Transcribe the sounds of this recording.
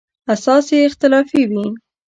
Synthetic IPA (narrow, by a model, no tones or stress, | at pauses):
asɑseɪxt̪ɪlɑfiwi